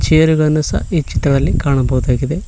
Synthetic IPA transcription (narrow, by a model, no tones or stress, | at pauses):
t͡ʃeːɾuɡɐɭnːusɐ̰it͡ʃːit̪ɾɐðɐlːikaːɳɐbɐwd̪aːkid̪e